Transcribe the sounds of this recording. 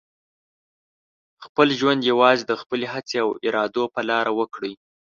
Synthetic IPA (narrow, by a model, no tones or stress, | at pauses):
xpəlʒwand̪jawɑzed̪əxpəleɦat͡seawɪɾɑd̪opəlɑɾawəkɽəj